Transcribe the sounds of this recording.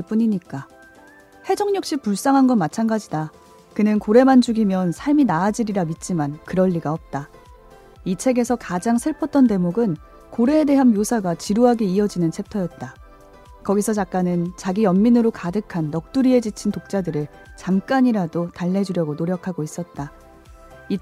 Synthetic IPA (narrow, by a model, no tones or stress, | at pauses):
p͈uɲiɲik͈a | he̞d͡ʑʌŋɲʌk̚ɕ͈ipuɭs͈aŋɦanɡʌnmat͡ɕʰanɡad͡ʑida | kɯnɯnkoɾe̞mand͡ʑuɡimjʌnsʰaɭminaːd͡ʑiɾiɾamit̚t͡ɕ͈imankɯɾʌʎːiɡaʌp̚t͈a | it͡ɕʰe̞ɡe̞sʰʌkad͡ʑaŋsʰeɭpʰʌt̚t͈ʌnte̞moɡɯn | koɾe̞ːde̞ɦanjosʰaɡat͡ɕiɾuɦaɡeiʌd͡ʑinɯnt͡ɕʰe̞p̚tʰʌjʌt̚t͈a | kʌɡisʰʌt͡ɕak̚k͈anɯnt͡ɕaɡijʌmːinɯɾokadɯkʰanːʌk̚t͈uɾie̞d͡ʑit͡ɕʰintok̚t͡ɕ͈adɯɾɯɭ | t͡ɕamk͈aɲiɾadotaɭːe̞d͡ʑuɾjʌɡonoɾjʌkʰaɡois͈ʌt̚t͈a | i